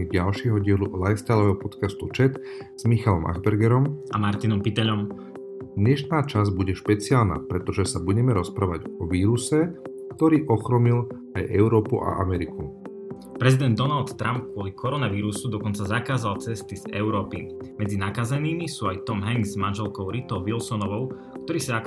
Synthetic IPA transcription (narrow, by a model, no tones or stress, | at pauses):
iɟalʃɪɛɦɔɟɪɛlulajst̪alɔʋɛɦɔpɔt̪kast̪ut͡ʃɛt̪ | z̥mixalɔmʔa̰ɣbɛɾɡɛɾɔmʔamaɾt̪inɔmpit̪ɛʎɔm | d̪ɲɛʃnaːt͡ʃazbuɟɛʃpɛt͡siaːlna̰ːpɾɛt̪ɔʒɛsabuɟɛmɛɾɔspɾaːʋaɟɔʋiːɾusɛ | kt̪ɔɾiːʔɔxɾɔmil | ajʔɛʊɾɔːpuʔa̰ʔa̰mɛɾiku | pɾɛzid̪ɛnd̪ːɔnalt̪ːɾʔamp̚kʊɔlikʰɔɾɔnaʋiːɾusud̪ɔkɔnt͡sazakaːzalt͡sɛst̪izɛ̰ʊɾɔːpimɛd͡zinakazɛniːmisuːajt̪ɔmɦaŋɡzmanʒɛlkɔʊɾit̪ɔʊʋilsɔnɔʋɔʊ | k̚t̪ɔɾiːsaa